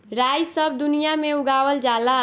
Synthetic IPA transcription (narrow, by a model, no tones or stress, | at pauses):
ɾajsəb̚ʱd̪unijameuɡaʋəld͡ʒala